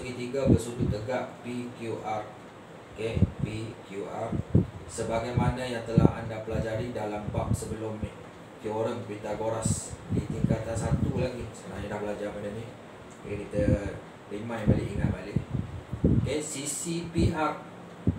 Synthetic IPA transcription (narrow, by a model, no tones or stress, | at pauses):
ɡit̪iɡabərsut̪ut̪ːəɡaʔpikjuʔar | kepikjuʔa̰rsəbaɡajmanajaŋt̪əla̰ɦa̰ndapəlad͡ʒaɾidalamba̰ʔ̚səbəlʊm | d͡ʒioɾəŋbɾit̪aɡoɾasdit̪iŋkat̪ansat̪ulaɡisəənaɲadabəlad͡ʒarmandanḭ | ikit̪ə | rimãjbalɪʔiŋa̰t̪̚balɪʔ | kɛsisipiʔar